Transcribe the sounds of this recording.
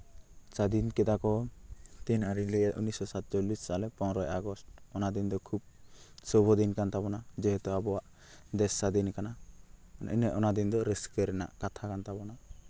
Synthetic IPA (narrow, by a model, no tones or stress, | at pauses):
t͡ʃad̪inkɛd̪akɔt̪inaɾiliɛṵnisɔsat̪̚t͡ʃɔlisːalɛpɔwɾɔjaɡɔst̚ɔnad̪ind̪ɔkʰub̚ | sɔbʱɔd̪inkant̪abɔnad͡ʒɛɦɛt̪ɔabɔwaʔ | d̪ɛsːad̪inkana | ḭnɛʔɔnad̪ind̪ɔɾɛskəɾɛna̰ʔkat̪ʰakant̪abɔna